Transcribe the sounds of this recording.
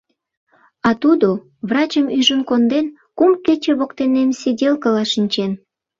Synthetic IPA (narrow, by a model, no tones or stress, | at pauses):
ɑt̪ud̪o | βrɑt͡ɕəmyʒənkond̪en | kumket͡ɕeβokt̪enemsʲidʲelkəlɑʃinʲt͡ɕen